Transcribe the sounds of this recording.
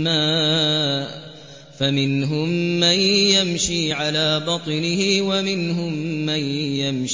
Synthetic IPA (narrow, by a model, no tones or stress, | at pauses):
maː | famɪnɦʊmːanjamʃiːʕalaːbɑt̪ˤɨnɪhɪwamɪnɦʊmːanjamʃ